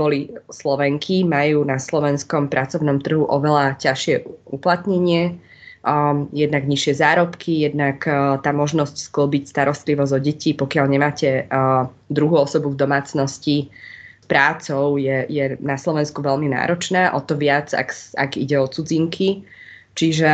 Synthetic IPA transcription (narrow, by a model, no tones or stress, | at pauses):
bɔlislɔʋɛŋkʰimajuːnaslɔʋɛnskɔmpɾʔat͡sɔʊnɔmt̪r̩ɦuʔɔʋɛlacaʃɪɛuplat̪ɲɛɲɪɛ | jɛd̪naɡɲiʃɪɛzaːɾɔpkʰijɛd̪nakt̪aːmɔʒnɔscskləbicst̪aɾɔst̪liʋɔzɔɟɛcipɔkɪalɲɛmaːcɛ | d̪ɾuɦuːɔsɔbuvd̪ɔmaːt͡snɔscispɾaːt͡sɔʊjɛjɛnaslɔʋɛnskuʋɛʎmina̰ːɾɔt͡ʃnaːʔɔt̪ɔʋɪad͡za̰ka̰ɡḭɟɛɔt͡sud͡ziŋkʰi | t͡ʃiʒɛ